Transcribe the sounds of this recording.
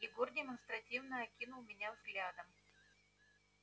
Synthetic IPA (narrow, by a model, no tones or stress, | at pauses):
jɪɡordʲɪmənst̪ɾɐtʲivnəɐkʲinʊlˠmʲɪnʲavzɡlʲad̪əm